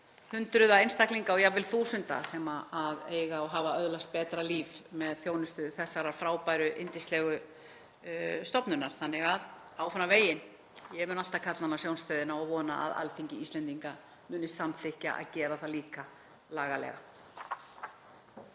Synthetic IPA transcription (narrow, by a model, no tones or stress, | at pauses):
hʏnt̪ɾʏðaejnst̪akliŋkaɔwjavɪlθuːsʏnt̪a̰sɛmaaðeːjɣaɔɦaːvaœðlast̪̚pɛːt̪ɾaliːvmɛðθjoːwnʏst̪ʏθɛsːaɾaɾ̥fɾaːwpajɾʏʔɪnt̪ɪst̪lɛɣʏ | st̪ɔpnʏnːaɾ̥θanːɪɣað | awfanːaveːjɪn | jɛmʏːnal̥t̪akʰat̪lanːasjownst̪œðɪnaɔvɔːna̰ʔa̰ða̰lθiɲcɪist̪lɛnt̪iŋka | mʏːnɪst̪samθɪhca̰ʔa̰ðcɛːɾaθaliːka | laːɣalɛ̰ɣa̰